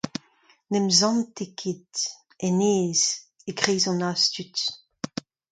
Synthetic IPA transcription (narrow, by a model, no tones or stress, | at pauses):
nɛmzɑ̃ntekʰed̪ | ɛneːz | eɡʁeːzɔ̃nast̪yt̪